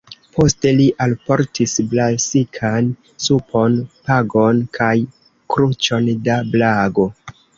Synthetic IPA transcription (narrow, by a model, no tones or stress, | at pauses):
pʰo̞ste̞liʔalpo̞ɾtʰisblasikʰan | supʰo̞npaɡonkʰaj | kɾut͡ʃo̞ndablaɡo̞